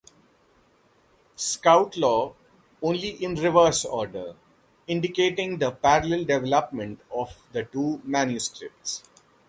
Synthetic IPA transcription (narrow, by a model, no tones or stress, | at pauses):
skaʊʈlɔː | õːnliʔɪ̃nɾɪʋəɾsɔːɾɖəɾ | ɪ̃ɳɖɪkeːʈɪ̃ŋd̪əpæɾəlɛlɖɛʋɛləpmə̃ɳʈɔʋd̪əʈuːmæ̃njuskɾɪ̰p̚ʈs